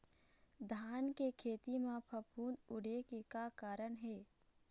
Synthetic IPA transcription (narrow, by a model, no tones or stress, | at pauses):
d̪ʱaːnkekʰeːt̪imãpʰɐpʰuːnʊɽekekakaːɾəɽɦɛː